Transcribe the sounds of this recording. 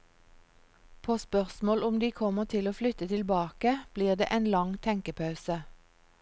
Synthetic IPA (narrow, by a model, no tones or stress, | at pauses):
pʰoːspœʁsmoːlʊmd̪iːkʰɔməʁt̪ʰɪloːflʏt̪ət̪ʰɪlbɑːkəb̥liːʁd̪ḛːʔeːnlɑŋt̪ʰɛŋkəpʰɑʉsə